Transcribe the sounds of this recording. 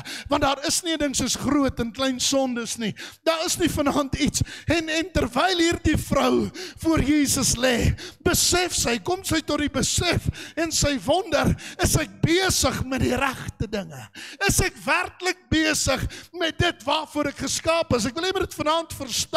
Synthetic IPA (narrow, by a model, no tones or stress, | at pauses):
vɐntdɑːɾəsniədəŋsəsχruətənklɛjnsɔndəsnidɑːɾəsnifɐnɑntitsɛnɛntərvɛjlˠɦiːrdifrəwfuərjiːsəslɛːbəsɛfsəjkɔmsəjtɔt̚dibəsɛfɛnsəjvɔndərəsɛk̚biəsəχmɛt̚diɾæχtədəŋəəsɛkværklək̚biəsəχmɛt̚dətvɑːrfuəɾɛkχəskɑːpəs̬ækvəlˠnimədətfənːntfərst